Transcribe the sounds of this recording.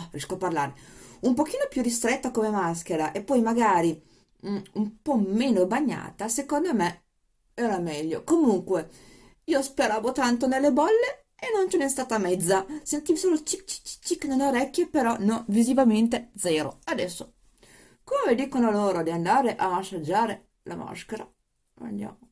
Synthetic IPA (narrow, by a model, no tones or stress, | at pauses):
rjɛskoparla̰ːɾeumpok̟iːnopjurist̪ɾet̪ːakomemas̬k̟eɾaʔepːɔjmaɡaːɾi | umpɔmeːnobaɲːa̰ːt̪asekond̪ome | ɛːɾamɛʎːokomuŋkwe | iːospeɾaːvot̪ant̪onelːebɔlːe | enːont͡ʃɛnest̪aːt̪amɛd̪zːasent̪iːvisoːlot͡ʃit͡ʃi̥t͡ʃi̥t͡ʃikːenonoɾɛkːjepeɾɔnonvizivament̪ed̪zɛːɾo̰ad̪ɛsːo | komed̪iːkonoloːɾod̪iand̪aːɾeʔaːʃːad͡ʒːaːɾe | la̰ma̰skeɾa̰ | ma̰ʎːja̰mo